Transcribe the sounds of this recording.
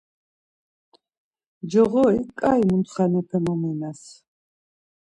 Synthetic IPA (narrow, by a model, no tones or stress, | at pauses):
d͡ʒɔʁɔikʼːajmunt̪ʰχanɔpʰɛnɔmɛnas